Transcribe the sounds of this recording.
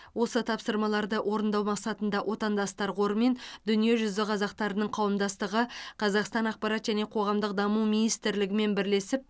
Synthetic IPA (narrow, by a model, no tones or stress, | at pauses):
wo̞sət̪ʰɑpsəɾmɑlˠɑɾd̪əwʔo̞ɾənd̪ɑwmɑqsɑt̪ənd̪ɑwʔo̞t̪ɑnd̪ɑst̪ɑɾqo̞ɾəme̞nd̪̥ʏnije̞ʒʏzɪqʰɑzɑqt̪ɑɾənəɴqʰɑwəmd̪ɑst̪əʁəqʰɑzɑqst̪ɑnɑq̚pɑɾɑt̪ʒæne̞qʰo̞ʁɑmd̪əq̚d̪ɑmuwminijst̪ɪɾlɪɡʲɪme̞nbɪɾle̞sɪp̚